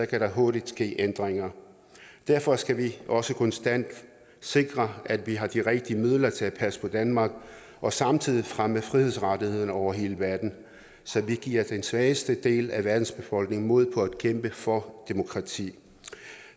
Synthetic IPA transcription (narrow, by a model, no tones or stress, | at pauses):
ɒ̽kʰæɾɑ̈ɦo̝ɐɾ̥id̥sɡ̥e̝̰ːʔend̥ʁeŋɐ | d̥æɐfɒ̽sɡ̥æʋiʔɒ̽səkʰɒ̽nsd̥æn̰d̥ | se̝ɡ̥ʁɐæd̥ʋiɦɑ̈d̥iʁeɡ̥̚d̥iəmið̞̰ˠlɐt͡sʰe̝æ̥pʰæspʰɒ̽d̥ænmɑ̈ːɡ̥ | ʔɒ̽sɑ̈mt͡sʰið̞̰ˠifʁaməfʁihe̝ð̰ˠsʁɑdihe̝ð̞̰ˠn̩ɒʊ̰ɐɦe̝ːləʋæɐd̥n̩ | sɒ̽ʋiɡ̥iːɐ̰d̥ensʋɛːɪəsd̥əd̥e̝̰ːlæʋæɐd̥n̩sb̥e̝fɒ̽l̰ɡ̥ne̝ŋmo̝ð̞̰ˠpʰɒ̽æd̥kʰem̰b̥əfɒ̽d̥e̝mo̝kʰʁɑ̈t͡sʰḭː